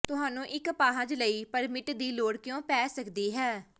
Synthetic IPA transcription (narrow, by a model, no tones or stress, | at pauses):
t̪ʊɦaːnũːʔɪkpaːɦə̃d͡ʒləiːpəɾmɪʈd̪iːloːɽkɪjõːpɛːsəkd̪iːɦɛː